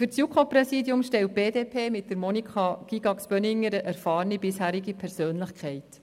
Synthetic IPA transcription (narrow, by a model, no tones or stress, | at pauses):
fʏɾt͡sjukʰoprɛsiːdjʊmʃtɛlt̚b̥eːdeːpʰeːmɪtdəɾmɔnikχɑɡ̥iɡ̥ɑksb̥œnɪŋːəɾəʔæɾfɑːɾnibɪshæːɾiɡipʰɛɾsøːnləχkχɛɪt